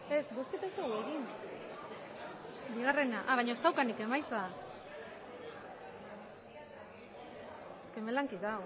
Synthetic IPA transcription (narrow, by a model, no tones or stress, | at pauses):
e̞sbosket̪ast̪eɣueɣin | biɣ̞are̞naʔaβajɲost̪awkanike̞majt͡sa | eskemelaŋkiðaw